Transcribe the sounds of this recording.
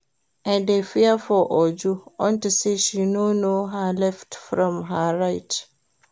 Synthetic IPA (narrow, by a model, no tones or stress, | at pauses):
ʔãndefiafɔʔɔd͡ʒuɔ̃ntiseʃinonoɦalɛftfɾɔ̃mɦaɹaɪt